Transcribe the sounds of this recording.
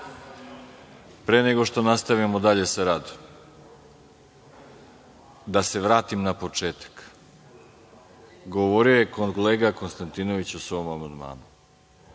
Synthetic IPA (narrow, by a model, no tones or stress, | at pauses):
pɾeːneɡo̞ʃt̪o̞nast̪aʋamo̞d̪aʎe̞saɾad̪o̥m | d̪ase̞ʋɾaːt̪imnapo̞t͡ʃeːt̪ḁk | ɡoʋoɾioje̞konleːɡako̞nst̪ant̪ino̞ʋit͡ɕusʋo̞mamand̪ma̰ːnu